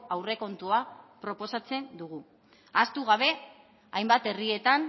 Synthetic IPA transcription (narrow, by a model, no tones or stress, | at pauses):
awre̞ko̞nt̪uapɾo̞po̞sat͡se̞nd̪uɣ̞u | ast̪uɣ̞aβ̞e̞ | ajmbat̪e̞rie̞t̪an